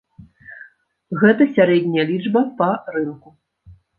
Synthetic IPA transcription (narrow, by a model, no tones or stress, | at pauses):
ɣɛt̪ɐsʲaɾɛd̪ʲnʲɐjɐlʲid͡ʐbɐpɐɾɨnku